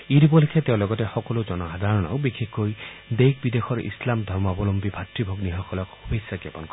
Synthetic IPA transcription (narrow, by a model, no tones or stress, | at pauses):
iɾipɔlikʰet̪ew̃lɔɡɔtexɔkɔlud͡ʒɔnɔɦad̪ʱaɹɔnɔ̰wbikʰekːojd̪ejk̚bid̪exʰɔɾʔḭslamd̪ʱɔɾmɔbɔlompibʱatɾibʱoɡniɦɔkɔlɔkhubisjaɡjɔpɔnkɔ